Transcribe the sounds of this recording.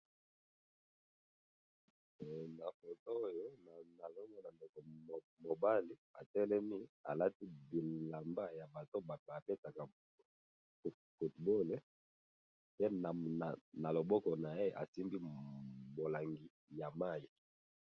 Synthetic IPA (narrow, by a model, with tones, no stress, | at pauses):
na˨fɔ˨to˦o˦jo˦na˨na˨lɔ˦na˦na˨nde˨kɔ˨ | mo˨ba˦li˦a̰˨tɛ˦lɛ˦mi˦a̰˨la˦ti˦bi˨la˨mba˦ja˨ba˨to˦ba˨ta˨pe˦ta˨ka˨ | fu˨tbo˦le˨ | pe˦na˨a˨na˨lo˨bɔ˦kɔ˨na˨je˦ʔa̰˨si˦mbi˦bo˨la˨ŋɡi˨ | ja˨ma˦˨ji˨